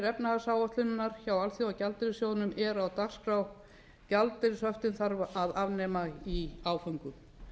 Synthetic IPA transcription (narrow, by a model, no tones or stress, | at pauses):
ɾɛpnaasawɔht̪lɪnːaɾ̥çawalθiawcalt̪ɪɾɪsjoːwnʏmɛɾawt̪axskɾaw | calt̪ɪɾsœft̪ɪnθaɾvaʔaðavnɛːmaiaːwfœŋkʏ